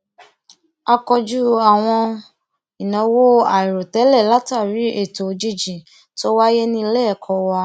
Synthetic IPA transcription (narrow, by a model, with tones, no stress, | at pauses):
a˧kɔ˧d͡ʒu˦a˨w̃ɔ̃˧ | i˨nɔ̃˨˦wo˦a˨i˨ɾo˨tɛ˨˦lɛ˦˨la˦ta˦˨ɾi˨˦e˦˨to˨˦d͡ʒi˦d͡ʒĩ˨ | to˦wa˦je˦nĩ˦i˧˦lɛ˦˨kʰɔ˧wa˧